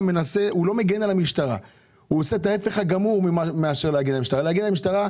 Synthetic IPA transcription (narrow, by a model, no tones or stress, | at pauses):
menase̞ulo̞me̞ɡenalamiʃtaʁa̰ | uose̞et̪̬ae̞fe̞χhaɡamuʁmiameaʃeʁleaɡenalamiʃt̪aʁaleaɡenalamiʃtaʁa